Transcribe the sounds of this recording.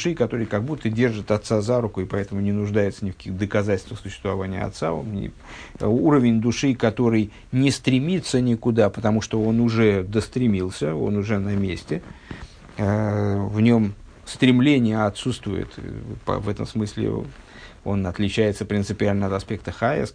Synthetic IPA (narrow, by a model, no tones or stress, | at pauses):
ʂɨkɐt̪o̞ɾɨjkɐɡ̚but̪ːədʲe̞rʐɨt̪ɐt̪sazaɾʊkʊɪpɐɛt̪əmʊnʲɪnʊʐd̪ajɪt̪sənʲɪkɐ̥kʲixd̪əkɐzatʲlʲst̪vəsʊɕːɪst̪vɐvanʲɪjə̰ɐ̰t̪sa̰o̰nʲɪ̰ | uɾəvʲɪnʲd̪ʊʂɨkɐt̪o̞ɾɨj | nʲɪst̪ɾʲɪmʲit̪sːənʲɪkʊd̪apət̪ɐmuʂt̪oo̞nʊʐɛd̪əst̪ɾʲɪmʲilˠsʲəo̞̰nʊʐɛnɐmʲesʲtʲɪ | vnʲo̞m | st̪ɾʲɪmlʲenʲɪjəɐt̪sut̪st̪vʊjɪ̰t̪pə̰vɛt̪ə̰msmɨsʲlʲɪ̰ | o̞̰nɐt̪lʲɪt͡ɕæjɪt̪səpɾʲɪnt̪sɨpʲɪalʲnəɐt̪ɐspʲe̞k̚t̪əxaɛ̰s